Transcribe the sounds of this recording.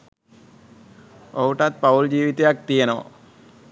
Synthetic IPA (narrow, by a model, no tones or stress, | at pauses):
ouʈat̪̚pauld͡ʑiːʋit̪ejak̚t̪ijenəʋa̰